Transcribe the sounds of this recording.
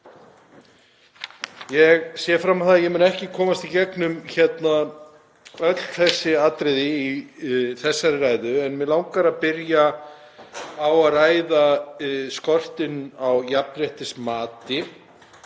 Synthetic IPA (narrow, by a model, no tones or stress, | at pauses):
jɛɣsɛfɾamaθaðjɛmʏːnɛhcɪkʰɔːmast̪icɛknʏmçɛt̪na | œt̪l̥θɛsːɪat̪ɾɪðɪiθɛsːaɾɪrajðʏɛnmɛðlawŋkaɾaðpɪɾja | waðraːjðaskɔr̥t̪ɪnawjapnɾɛht̪ɪsmaːt̪ɪ